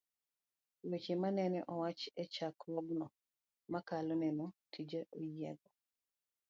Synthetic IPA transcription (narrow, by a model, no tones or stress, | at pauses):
wet͡ʃemanɛnɛʔɔwat͡ʃɛt͡ʃakɔɡnɔ | makalonɛnotʰid͡ʒaʔojɛɡɔ